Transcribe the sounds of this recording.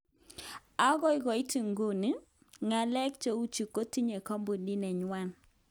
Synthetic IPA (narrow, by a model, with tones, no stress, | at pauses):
a˦ɣɔ˦ɪ˦ɣɔ˨i˦ti˨ŋɡo˦˨ni˦ | ŋa˨lɛ˦k̚t͡ʃo˦u˦t͡ʃu˨ko˦ti˦ɲe˨kɔ˦mbu˨ni˦nɛ˨ɲwa˦˨n